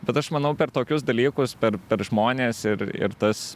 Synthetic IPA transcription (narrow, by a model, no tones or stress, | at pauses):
bʲɛt̪ɐʃmɐnɐʊpʲɛrt̪oːkʲʊsd̪ɐlʲiːkʊspʲɛɾpʲɛɾʒmoːnʲeːsɪɾɪ̰ɾt̪ɐs